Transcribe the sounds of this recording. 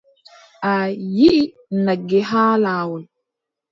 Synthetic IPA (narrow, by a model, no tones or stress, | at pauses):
ʔajiʔi | naɡːɛɦaːlaːwɔl